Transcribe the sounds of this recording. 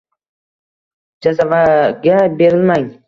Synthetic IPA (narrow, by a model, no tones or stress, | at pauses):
d͡ʒazavaɡʲabeɾɪlmaŋ